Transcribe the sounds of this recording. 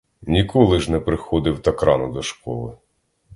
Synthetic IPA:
nʲikɔlˠɪʒnɛpɾɪxɔd̪ɪwt̪ɐkɾɑnʊd̪ɔʃkɔ̰lˠɪ̰

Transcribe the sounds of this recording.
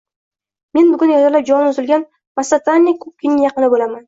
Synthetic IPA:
me̞nbʊɡʊnjɒt̪ʰalap̚d͡ʒɒlɪnʊzɪlɡʲan | masat̪ʰanʲːikʰʊp̚kʲɪnɪjɑqɨnɪbolaman

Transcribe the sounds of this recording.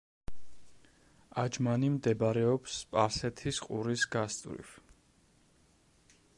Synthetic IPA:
ad͡ʒmanimd̪ɛbɾɛɔpspʼaɾsɛt̪ʰisqʼuɾisɡ̥ast̪ʼvɾḭf

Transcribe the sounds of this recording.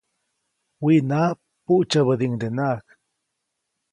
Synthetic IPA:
winaː | puʔt͡ʃaβəd̪iŋd̪enak

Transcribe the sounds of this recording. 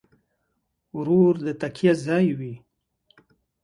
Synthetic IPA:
ɾuɾd̪ət̪akʰijazɑjwi

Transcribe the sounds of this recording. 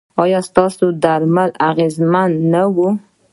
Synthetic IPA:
ɑjɑst̪ɑsod̪aɾmalaɣezmanːawu

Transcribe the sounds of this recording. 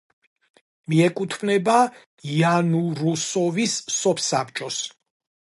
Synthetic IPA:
miɛkʼut̪ʰvnɛba | ianuɾusɔvisːɔpʰsap̚ʼt͡ʃʼɔs

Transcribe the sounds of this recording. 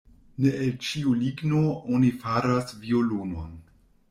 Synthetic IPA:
neelt͡ʃiuliɡnoonifaɾasvioluno̰n

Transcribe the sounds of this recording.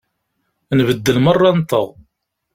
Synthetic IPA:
nvəd̪ːəlmərˤːɑnt̪əʁ

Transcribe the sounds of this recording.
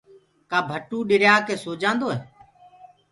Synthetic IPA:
kaːbʱəʈuːɗɪɾjaːkeːsoːd͡ʒãːnd̪oːɦeː

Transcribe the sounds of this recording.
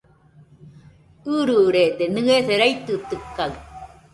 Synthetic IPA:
ɯːɾɯɾet̪enɯɣesɛɾɐjt̪ːɯt̪ːɯkːɐl

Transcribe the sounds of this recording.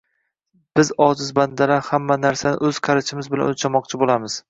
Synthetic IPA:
b̥ɪzɒd͡ʒɪzband̪alahamːanaɾsanɪ̰ʔɵz̥qʰɑɾat͡ʃʰɪmɪzbɪla̰not͡ʃʰamɒq̚t͡ʃʰɪbolamɪz̥

